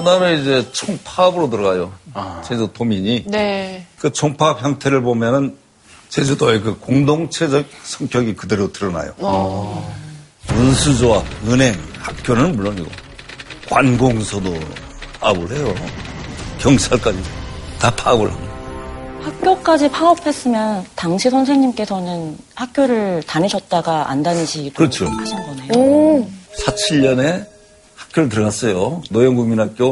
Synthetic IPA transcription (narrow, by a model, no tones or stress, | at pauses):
kɯdaɯmeid͡ʑe̞t͡ɕʰoŋpʰabɯɾot̬ɯɾʌɡajot͡ɕed͡ʑotomiɲinekɯt͡ɕʰoŋpʰapçjʌŋtʰe̞ɾɯɭbomjʌnɯn | t͡ɕed͡ʑotʌekɯkoŋdoŋt͡ɕʰe̞d͡ʑʌk̚sʰʌŋk͈jʌɡikɯdeɾotɯɾʌna̰jo̰ | munsʰud͡ʑowanɯne̞ŋhak̚k͈jonɯnmuɭːoniɡo̰ | kwanɡoŋsʰʌdopʰabɯɭhe̞jo | kjʌŋt͡ɕʰaɭk͈ad͡ʑitapʰabɯ̰ɭha̰nɡahak̚k͈jok͈ad͡ʑipʰaʌpʰe̞s͈ɯmjʌntaŋɕʰisʰʌnsʰe̞ŋɲimk͈e̞sʰʌnɯnhak̚k͈ʰjoɾɯɭtaniɕʰʌt̚t͈aɡaʔa̰ndaniɕʰiɯɾʌt͡ɕʰokʰaɕʰinɡʌneo | sʰat͡ɕʰiʎːʌne̞ | hḁk͈ʰjoɭt̬ɯɭɡas͈ʌjonʌjʌŋɡuminɦak͈̚jo